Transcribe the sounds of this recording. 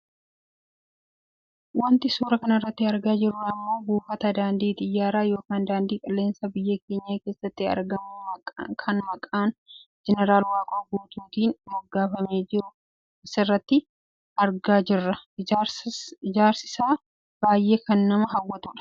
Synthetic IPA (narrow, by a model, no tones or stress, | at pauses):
wɐnt̪ɪsuːɾɐkɐnɐɪrːɐt̪ːɪɐɾɡaːd͡ʒɪrɐɐmːo̞ːbuːfɐt̪ɐd̪aːnd̪iːt̪ɪjːaːɾaːjo̞ːkaːnd̪aːnd̪iːkʼɐlːeːnsɐbɪjːɐke̞ːɲːaːke̞ːsːɐt̪ːɪɐ̰ɾɡɐmʊkʰɐnmɐkʼaːnd͡ʒɛnɛɾaːlwaːkʼoːɡuːt̪uːt̪iːnmɔɡːaːfɐme̞ːd͡ʒɪɾʊ | ʔɪsɪrːɐt̪ːɪ | ɐɾɡaːd͡ʒɪrːɐ | d͡ʒaːɾsɪ̥saː | b̥aːjːʔe̞ːkɐnːɐmɐɦɐwːɐt̪ʊᶑɐ̥